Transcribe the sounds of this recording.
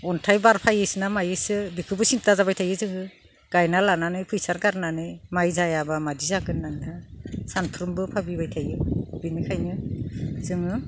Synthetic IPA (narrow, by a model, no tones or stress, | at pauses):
ɔntʰajbaɾpʰajɯsɯnamajɯsɯbikʰɯbɯsintazabajtʰajɯzɯɡɯ | ɡ̥ajnalananɯjpʰɯjsaɾɡaɾnanɯjmajzajabamadizaɡɯnːaŋnasantʰɾumbɯpʰabibajtʰajɯbinɯkʰajnɯzɯŋɯ